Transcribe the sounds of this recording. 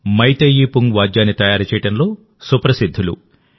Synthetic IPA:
mɐjt̪ɐjiːpuŋʋaːd͡ʒjaːnːit̪ɐjaːɾɐt͡ʃɛːjiʈɐnlo̞ː | supɾɐsid̪ʱːulṵ

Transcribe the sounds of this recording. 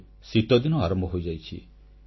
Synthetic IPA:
sit̪ɔd̪inɔaɾɔmbʱɔɦojd͡ʒajt͡ʃʰḭ

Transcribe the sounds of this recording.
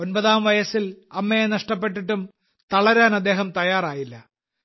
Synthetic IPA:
o̞nbɐðaːmʋɐjɐsilɐmːejenɐʂʈɐp̬ːeʈːiʈːum | t̪ɐɭɐɾaːnɐd̪ːe̞ːɦɐmt̪ɐjaːraːjilːɐ

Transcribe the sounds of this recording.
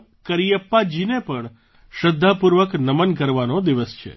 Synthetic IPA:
kəɾijəpːad͡ʒinepəɳ | ʃəd̪ʱːapuɾʋəknəmənk̬əɾʋanod̪iʋəst͡ʃʰḛ

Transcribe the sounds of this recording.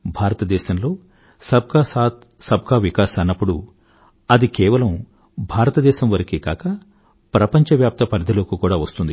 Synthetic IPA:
bʱaːɾɐt̪ɐd̪ɛːʃɐmlo̞ː | sɐb̚kasaːt̪ | sɐb̚ʱkaːʋikaːsɐnːɐpːuɽu | ɐd̪ikɛːʋɐlɐm | bʱaːɾɐt̪ɐd̪ɛːʃɐmʋɐɾɐkikaːkɐ | pɾɐpɐɲt͡ʃɐʋjaːp̚t̪ɐpɐɾd̪ʱɐloːkukuːɽaːʋɐst̪und̪i

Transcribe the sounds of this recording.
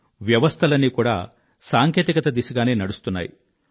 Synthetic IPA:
ʋjɐʋɐst̪ʰɐlɐnːikuːɽa̰ː | saːŋkeːt̪ikɐt̪ɐd̪isuɡaːneːnɐɽust̪unːa̰ːjḭ

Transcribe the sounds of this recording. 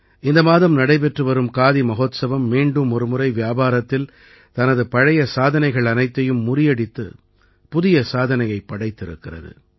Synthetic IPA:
ɪnd̪ɐmaːðɐmnɐɽɐɪpɛʈrɯʋɐɾɯmkaːðimɐɣoːt̪sɐʋɐmːiːɳɖɯmɔɾɯmɯɾɐɪʋjaːbaːɾɐt̪ːɪl | t̪ɐnɐðɯpɐɻɐjɐsaːðɐnɐɪɣɐɭɐnɐɪt̪ːɐjɯmːʊrɪjɐɽɪt̪ːɯ̰ | pʊðɪjɐsaːðɐnɐjɐɪpːɐɽɐɪt̪ːɪɾɯkːɪrɐ̰ðɯ̰

